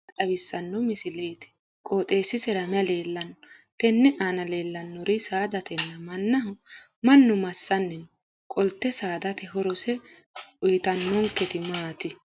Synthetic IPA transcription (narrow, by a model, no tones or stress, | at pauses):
t̪ʼɐbɪsːɐnːɔmɪsɪleːt̪ɛ̥ | kʼoːt̪ʼe̞ːsːɪsɛɾɐmɪɐleːlːɐnːɔ | t̪ɛnːɛʔaːnɐleːlːɐnːɔɾɪsaːd̪ɐt̪ɛnːɐmɐnːɐɦʊ | mɐnːʊmɐsːɐnːɛn | kʼɔlt̪ːɛsaːd̪ɐt̪ɛɦɔɾɔsɛ | ʔʊjt̪ɐnːɔŋkɛt̪ɪmaːt̪ɪ